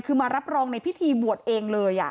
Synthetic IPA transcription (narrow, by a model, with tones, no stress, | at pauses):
jkʰɯː˧maː˧ɾa˦˥p̚ɾɔː˧ŋna˧jpʰi˦˥t̪ʰiː˧bu˨˩ət̪̚ʔeː˧ŋlɤː˧jʔa̰˨˩